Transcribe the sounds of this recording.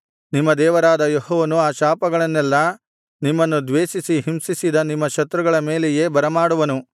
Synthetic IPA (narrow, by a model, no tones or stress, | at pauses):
nimːɐd̪ɛːʋɐɾaːd̪ɐjoɦɔːʋɐnuaːʃaːpɐɡɐɭɐnːɛlːɐ | nimːɐnːud̪ʋeːʃisiɦimsisid̪ɐnimːɐʃɐt̪ɾuɡɐɭɐme̞ːlɛjeːbɐɾɐmaːɽuʋɐnu